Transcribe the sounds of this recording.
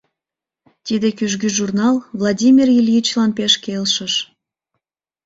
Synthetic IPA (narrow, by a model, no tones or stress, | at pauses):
t̪id̪ekyʒɣyʒurnɑlvlˠɑdʲimʲirjilʲit͡ɕlɑnpeʃkelʃəʃ